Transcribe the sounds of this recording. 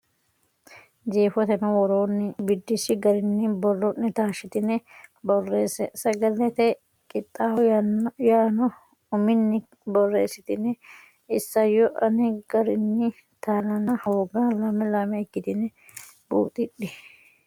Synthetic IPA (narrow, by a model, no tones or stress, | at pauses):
d͡ʒeːfɔt̪ɛnɔwɔɾoːnːɪbɪd̪ːɪsɪɡɐɾɪnːɪbɔlːɔnːɪt̪aːʃɪt̪ɪnːɛbɔrːeːsɛsɐɡɐlɛt̪ɛ | kʼɪt̪ʼːaːwɔjaːnɔ | ʊmɪnːɪ | bɔrːḛːsɪt̪ɪnːɛ | ɪsːɐjɔʔɐnɛɡɐɾɪnːɪ | t̪aːlɐnɐhoːɡaːlɐmɛlɐmɛɛkːɪt̪ɪnɛ | b̥ṵːt̪ʼɪɗːɪ